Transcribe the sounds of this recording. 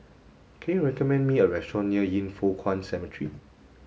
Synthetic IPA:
kʰɛ̃njuɹɛkɔmɛ̃nmiəɹɛstɹɔ̃niəjĩnfɔkʰwɔ̃nsɛmitʰɹḭ

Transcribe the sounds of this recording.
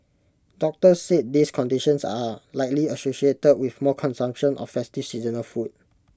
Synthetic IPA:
dɔk̚təsːet̚diskʰɔ̃ndiʃə̃nsalaɪk̚liəsoʃietəd̚wifmɔkʰɔ̃nsãmkʃə̃nʔɔ̰fːɛstifsizənəlfut̚

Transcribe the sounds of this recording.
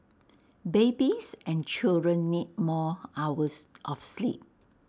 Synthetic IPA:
bebisʔɛ̃nt͡ʃildɹə̃nːit̚mɔawəsʔɔfslḭp̚

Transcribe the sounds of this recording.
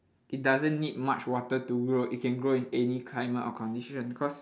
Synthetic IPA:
ʔit̚dazə̃nːid̚mat͡ʃwɔtətuɡɹoʔit̚kɛ̃nɡɹoĩnɛnikʰlajmətɔ̰kʰɔ̃ndiʃə̃nbikʰɔs

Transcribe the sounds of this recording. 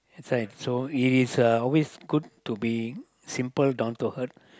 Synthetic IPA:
ɛtsɾaɪʈsoiʈizɔlʋesɡʊɖ̚ʈubi | sĩmpəlɖãʊ̃nt̪uhəʈ

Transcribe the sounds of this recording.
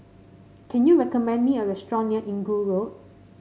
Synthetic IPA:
kʰɛ̃njuɹɛkɔmɛ̃ndmiəɹɛstɹɔ̃njəʔĩŋɡuɹot̚

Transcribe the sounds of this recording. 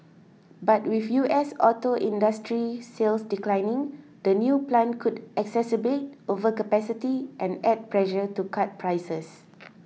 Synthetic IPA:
bat̚wifjuʔɛsɔtoʔĩndastɹiselsdiklãjnɪ̃ŋd̥ənjuplɛ̃nkʰudʔɛksɛsəbet̚ovəkəpɛsitiʔɛ̃nɛd̚pɹɛʃətukʰat̚pʰɹajsəs

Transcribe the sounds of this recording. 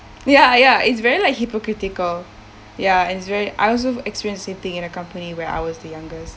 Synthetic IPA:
jajaɪtsvɛɹilaɪk̚hipokɹitɪkəl | jaɛ̃nɪtsvɛɹiʔa̰ɪɔls̬oɛkspiɹiə̃nsdəsẽmθĩŋɪ̃nəkãmpəniwɛɹa̰ɪwɔzdəjãŋɡəst

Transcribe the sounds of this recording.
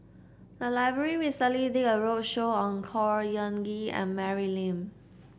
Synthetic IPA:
dəlaɪbɹəɹiɹistəlidikəɹot̚ʃoɔ̃nkʰɔɹjə̃nɡiɛ̰̃nmɛɹilĩm

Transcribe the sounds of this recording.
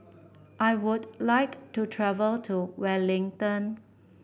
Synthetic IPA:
ʔajwudlaɪktutʰɹɛvəltʰuwɛlɪ̃ŋtə̃n

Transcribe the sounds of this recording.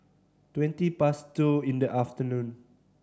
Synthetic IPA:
twɛ̃ntipastuĩndəʔaft̪ənũn

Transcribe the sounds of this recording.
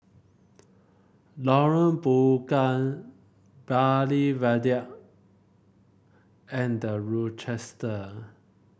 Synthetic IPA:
lɔɹə̃nbukãn | balivadiaʔ | ɛ̃ndəɹɔt͡ʃɛstə

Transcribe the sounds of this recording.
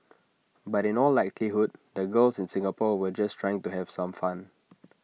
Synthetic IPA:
batĩnɔlːaɪkʰliɦud̚dəɡəlsɪ̃nsĩŋapɔwəd͡ʒastʰɹaɪɪ̃ŋtuɦɛv̥sãmfãn

